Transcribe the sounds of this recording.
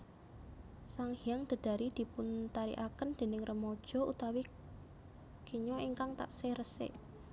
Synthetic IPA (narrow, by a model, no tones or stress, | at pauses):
saŋhijaŋd̪̥ə̤d̪̥a̤ɾid̪̥i̤pʊnt̪aɾḭʔakənd̪̥e̤nɪŋrʔəmɔd̥ʒ̥ɔ̤ṵt̪awi | kiɲɔʔiŋkaŋt̪a̰ʔsehrəsɪ̰ʔ